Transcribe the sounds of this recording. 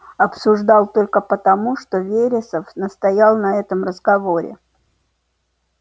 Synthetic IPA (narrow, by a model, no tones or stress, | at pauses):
ɐpsʊʐd̪ɑlˠt̪o̞lʲkəpət̪ɐmuʂt̪ovʲeɾʲɪsəfnəst̪ɐjalˠnɐɛt̪əmrəzɡɐvoɾʲɪ̰